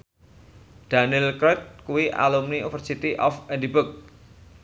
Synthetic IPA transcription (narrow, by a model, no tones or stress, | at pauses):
d̥anɪlkɾɔt̪̚kuwiʔa̰lumniufərsit̪iʔɔfɛdibʊk̚